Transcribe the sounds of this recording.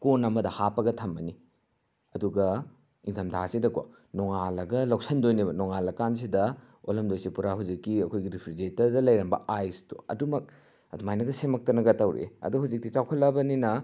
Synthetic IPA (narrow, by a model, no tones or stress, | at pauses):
konɐmɐdɐhapɐɡɐtʰɐmbɐni | ɐduɡɐ | iŋtʰɐmdʰʱa̰sidɐko̰ | noŋalɐɡɐlɐwksɐndojnibɐnoŋalɐkans̬idɐ | olɐmdojsipuɾaɦud͡ʒikːiɐkʰojɡiɾipʰɾid͡ʒetɐɾdɐlɐjɾɐmbɐ̰ajstuɐ̰dumɐk̚ | ɐ̰dumajnɐɡɐsemɐk̚tɐnɐɡɐtɐwɾḛɐ̰duhud͡ʒik̚tit͡ʃawkʰɐlːɐbɐninɐ